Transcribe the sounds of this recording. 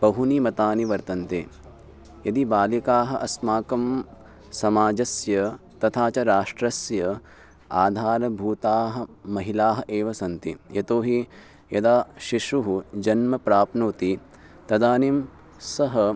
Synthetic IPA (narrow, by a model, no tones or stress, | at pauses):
bɐɦunimɐt̪aːniʋɐɾt̪ɐnt̪eː | jɐd̪ibaːlikaːɦɐ̆ʔɐsmaːkɐm | sɐmaːd͡ʒɐsjɐ | t̪ɐt̪ʰaːt͡ʃɐɾaːʂʈɾɐsjɐ | aːd̪ʱaːɾɐbʱuːt̪aːɦɐ̆mɐɦilaːɦɐʔeːʋɐsɐnt̪ijɐt̪oːɦi | jɐd̪aːʃiʂuɦud͡ʒɐnmɐpɾaːpnoːt̪i | t̪ɐd̪aːnim | sɐɦɐ